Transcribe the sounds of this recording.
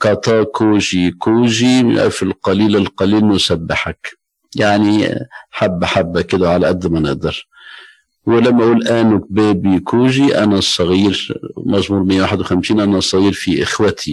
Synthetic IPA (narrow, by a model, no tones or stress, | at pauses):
kɑt̪ˤɑːkʰuːʒikuːʒiʔa̰fɪlqɑliːlɪlqɑliːlnːʊsabːɪħak | jaʕniħabːʔaħabːakːɪd̪awʕalaʔad̪ːmanɪʔd̪ɑɾ | wlamːaʔuːlʔæːnʊk̚bæːbikʰuːʒiʔa̰nasˤɑɣiːɾmaʒmuːɾmɪjːawaːħɪd̪wɪxamsiːnʔanasˤːɑɣiːɾfiʔɪxwat̪ʰi